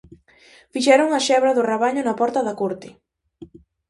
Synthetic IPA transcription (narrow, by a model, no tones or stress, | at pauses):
fiʃɛɾʊŋaʃɛβɾɐðʊraβ̞aɲʊnɐpɔɾt̪ɐðɐkoɾt̪ɪ